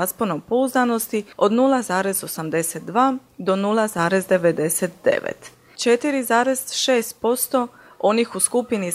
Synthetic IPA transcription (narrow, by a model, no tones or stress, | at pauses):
asponompo̞uzd̪ano̞st̪io̞d̪nulˠazaːɾe̞zo̞samd̪e̞set̪̚d̪ʋaː | d̪o̞nulˠazaːɾe̞zd̪e̞ʋe̞d̪e̞set̪̚d̪e̞̰ʋḛt̪ | t͡ʃe̞t̪iɾizaːɾe̞zʃeːst̪̚po̞st̪o̞ | o̞nixuskupini